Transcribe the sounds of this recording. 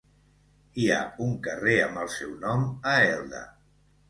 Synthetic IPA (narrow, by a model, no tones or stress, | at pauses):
ia̰uŋkəreəmbəlˠsɛwnɔməɛlˠd̪ə̰